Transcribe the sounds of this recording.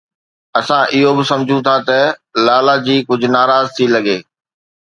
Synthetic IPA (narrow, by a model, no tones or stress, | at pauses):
ɐsãʔɪɦobɪsɐ̃md͡ʑʱũt̪ʰat̪ɐlaːlad͡ʑiːkʊd͡ʑʱʊ̆naːɾaːzt̪ʰilɐɡeː